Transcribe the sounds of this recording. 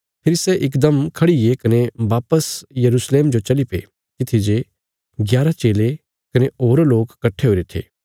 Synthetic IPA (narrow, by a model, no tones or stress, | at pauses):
pʰɪɾisɛʔɪk̬d̪ɐmkʰɐɽiekɐneʋaːpəsjɐɾuːsleːmd͡ʒot͡ʃɐlipḛː | t̪ɪt̪ʰid͡ʒe | ɡjaːɾat͡ʃeːle | kɐneoːɾloːkːɐʈʰeɦoːiɾet̪ʰḛː